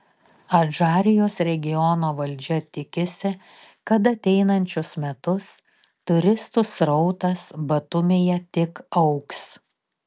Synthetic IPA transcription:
ɐʒɑːɾʲɪjoːsɾʲɛɡʲɪjɔnoːʋɐlʲˑd͡ʒʲɛt̪ʲɪkʲɪsʲɪ | kɐt̪ɐt̪ʲɛɪnɐnʲt͡ʃʲʊsmʲɛt̪ʊs | t̪ʊɾʲɪst̪ʊsɾɔʊt̪ɐsbɐt̪ʊmʲeːjɛt̪ʲɪkɒʊks

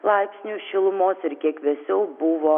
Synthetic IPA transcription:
lˠɐɪpʲsʲnʲuːʃʲɪlˠʊmoːsɪɾkʲiɛkʋʲɛsʲɛʊbʊʋoː

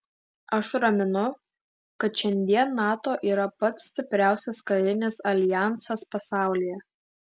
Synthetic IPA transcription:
ɐʃɾɐmʲɪnʊ | kɐt̪ʃʲɛnʲd̪ʲiɛnːɑːt̪oːʔiːɾɐpɐt̪sʲsʲt̪ʲɪpʲɾʲæˑʊsʲɛskɐɾʲɪnʲɪsɐlʲɪjæˑnsɐspɐsɑˑʊlʲiːjɛ

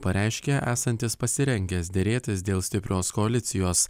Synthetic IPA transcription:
pɐɾʲɛɪʃʲkʲeʔæːsɐnʲt̪ʲɪspɐsʲɪɾʲɛŋʲɡʲɛsd̪ʲeːɾʲeːt̪ʲɪsd̪ʲeːlˠsʲt̪ʲɪpʲɾʲoːskɔɐlʲɪt̪sʲɪjoːs

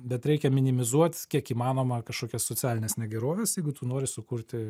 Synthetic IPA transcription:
bʲɛt̪ɾʲɛɪkʲɛmʲɪnʲɪmʲɪzuɔt̪ʲkʲiɛkiːmɑːnoːmɐkɐʃkoːkʲɛssoːt͡s̪ʲæːlʲɪnʲeːsnʲɛɡʲɛɾoːʋʲɛsjɛɪɡʊt̪uːnoːɾʲɪsʊkuːɾʲt̪ʲɪ

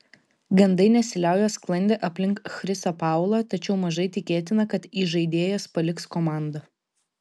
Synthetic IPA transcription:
ɡɐnd̪ɐɪnʲɛsʲɪlʲæˑʊjɛsklˠɐnʲd̪ʲeʔɐpʲlʲɪŋkxɾʲɪsɐpɑˑʊlˠɑt̪ɐt͡ʃʲɛʊmɐʒɐɪt̪ʲɪkʲeːt̪ʲɪnɐkɐt̪iːʒɐɪd̪ʲeːjɛspɐlʲɪkskɔmɑˑnd̪ɐ

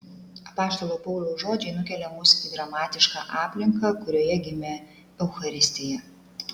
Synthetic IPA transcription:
ɐpɑːst̪olˠopɐʊlʲoːʒoːd͡ʒʲɛɪnʊkʲɛlʲɛmʊsʲɪɡ̪ɾɐmɑːt̪ʲɪʃkɑ̰ʔɑːpʲlʲɪŋkɐkʊɾʲoːjɛɡʲɪmʲe | ɛʊxɐɾʲɪsʲt̪ʲɪjɛ

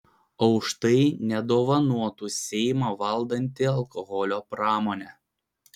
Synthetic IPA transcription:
ɒʊʃt̪ɐɪnʲɛd̪oːʋɐnuɔt̪uːsʲɛɪmɑːʋɐlˠd̪ɐnʲt̪ʲɪɐlˠkɔɣɔlʲoːpɾɑːmoːnʲɛ

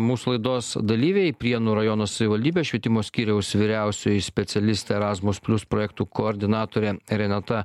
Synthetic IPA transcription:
muːsulˠɐɪd̪oːsd̪ɐlʲiːʋʲɛɪpʲɾʲiɛnuːɾɐjɔnoːsɐʋʲɪʋɐlʲd̪ʲiːbʲeʃʲʋʲiɛt̪ʲɪmoːsʲkʲiːɾʲɛʊsʋʲiːɾʲæˑʊsʲʊjɪsʲpʲɛt̪sʲɛlʲɪsʲt̪ʲeɛɾɑːzmʊspʲlʲʊspɾoːjɛkt̪uːkoːɾʲd̪ʲɪnɑːt̪oːɾʲɛɾʲɛnʲɑt̪ɐ

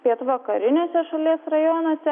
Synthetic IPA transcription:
pʲiɛt̪ʋɐkɐɾʲɪnʲeːsʲɛʃɐlʲiɛsɾɐjoːnoːsʲɛ

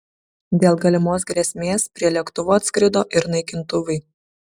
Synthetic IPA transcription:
d̪ʲeːlˠɡɐlʲɪmoːs̬ɡɾʲɛsʲmʲeːspʲɾʲiɛlʲiɛkt̪ʊʋoːɐt̪skɾʲɪd̪oːʔɪɾnɐɪkʲɪnt̪ʊʋɐɪ

